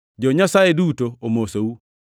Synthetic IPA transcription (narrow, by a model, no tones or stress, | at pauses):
d͡ʒɔɲasajedutoomosowu